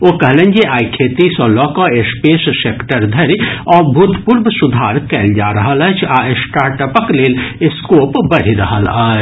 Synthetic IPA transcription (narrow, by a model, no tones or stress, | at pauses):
okɐɦlẽnd͡ʒeʔaːikʰeːt̪isɔːlɔːkoeːspeːsseːkʈəɾd̪ʱɐɾiɔːɾbʱuːt̪puːɾbsʊd̪ʱaːɾkɛːld͡ʒaːɾɐɦələt͡ʃʰaːɪsʈaːɾʈəpəkleːlɪskoːpbɐɽ̤iɾɐ̰ɦə̰laː